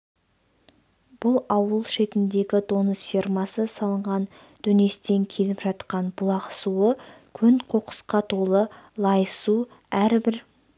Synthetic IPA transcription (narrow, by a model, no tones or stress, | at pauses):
b̥ʊlˠɑwəlˠʃe̞t̪ɪnd̪e̞ɡʲɪd̪o̞nəsfʲirmɑsəsɑlˠəɴʁɑn | d̪̥ɵne̞st̪e̞ŋkʲʰe̞lɪpʒɑt̪qɑnbʊlˠɑqəsuəkʲʰʏnqʰoqə̥sqɑt̪ʰo̞lˠəlˠɑjəsu | æɾbɪɾ